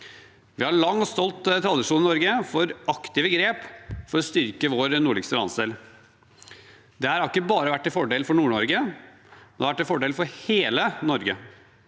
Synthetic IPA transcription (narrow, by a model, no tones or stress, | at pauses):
ʋɪhɑɾɭɑŋːɔst̪ɔlt̪t̪ʰɾɑd̪ɪʂuːnɪnɔɾɡəfɔɾɑkt̪ɪʋəɡɾeːpfɔɾɔst̪ʏɾkəʋoːɾnuːɭɪɡst̪əlɑnsd̪eːl | d̪ɛɑɾhɑɾɪkːəbɑːɾəʋæʈ̚ːɪlfɔɖeːlfɔɳuːɳɔɾɡə | ɛnɛːɾʋæʈːɪlfɔɖeːlfɔɾheːlənɔɾɡə